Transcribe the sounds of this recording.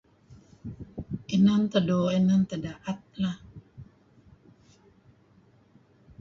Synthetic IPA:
ʔenamt̪adoenant̪adaʔat̪̚la

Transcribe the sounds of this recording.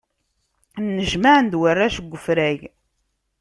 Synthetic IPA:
nːəʒmaʕənd̪wərːæʃəɡʷːəfɾæʝ

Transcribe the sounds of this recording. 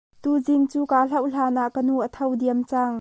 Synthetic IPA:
t̪uːziŋt͡suːkaːɬɐwɬaːnaʔkənuʔət̪ʰɐwd̪iəmt͡saŋ

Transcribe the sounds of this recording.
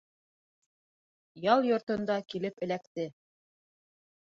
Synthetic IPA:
jɑlˠjŏɾt̪ŏnd̪ɑkilɘpɘ̆lækt̪ɘ

